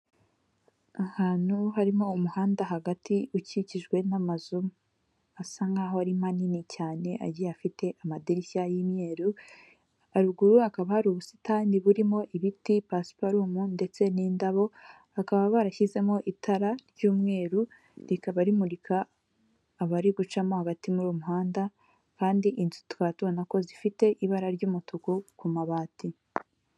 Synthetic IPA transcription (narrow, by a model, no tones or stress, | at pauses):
ahaːn̥huɦaɾimo̞umuhaːndaɦaɡatʰiuciciʒɡwe̞namazum | asaŋɡaɦoaɾimaninicaːne̞ʔa̰ɟiafite̞ʔamadiɾisajimɲe̞ːɾu | aɾuɡuɾuakaβahaɾuβusitaːniβuɾimo̞ʔiβitipasi̥paɾuːmunde̞t͡se̞niːndaβo̞ | akaβaβaɾaçize̞mo̞ʔitʰaɾaɾɟuːmŋe̞ːɾu | ɾikaβaɾimuɾikʰaː | βaɾiɡut͡ʃamo̞aβatimuɾuːmuɦaːnda | kaːndiʔinzu̥twaːtuβonako̞zifite̞ʔiβaɾaɾɟuːmutukukumaβaːti